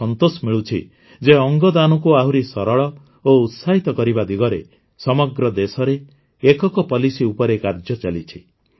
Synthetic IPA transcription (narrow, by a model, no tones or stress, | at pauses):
ɔnt̪osɔmiɭut͡ʃʰḭ | d͡ʒeɔŋɡɔd̪anɔkuaɦuɾisɔɾɔɭɔ | out̪saɦit̪ɔkɔɾibad̪iɡɔɾe | sɔmɔɡɾɔd̪esɔɾeː | kɔkɔpɔlisiupɔɾekaɾd͡ʒɔt͡ʃalit͡ʃʰi